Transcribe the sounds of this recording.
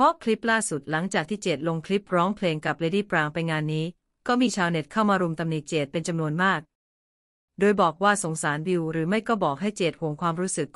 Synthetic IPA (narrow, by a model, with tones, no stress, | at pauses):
pʰɔ˦˥kʰli˦˥p̚laː˥˩su˨˩t̪̚la˩˦ŋt͡ɕaː˨˩k̚t̪ʰiː˥˩t͡ɕeː˨˩t̪̚lo˧ŋkʰli˦˥p̚ɾɔː˦˥ŋpʰleː˧ŋka˨˩p̚leː˧diː˥˩pɾaː˧ŋpa˧jŋaː˧nːiː˦˥ | kɔː˥˩miː˧t͡ɕʰaː˧wne˨˩t̪̚kʰa˥˩wmaː˧ɾu˧mt̪a˧mni˨˩t̪̚t͡ɕeː˨˩t̪̚pe˧nt͡ɕa˧mnu˧ənmaː˥˩k̚ | doː˧jbɔː˨˩k̚waː˥˩so˩˦ŋsaː˩˦nbi˧wɾɯː˩˦ma˥˩jkɔː˥˩bɔː˨˩k̚ɦa˥˩jt͡ɕeː˨˩t̪̚hoː˩˦mkʰwaː˧mɾuː˦˥sɯ˨˩k̚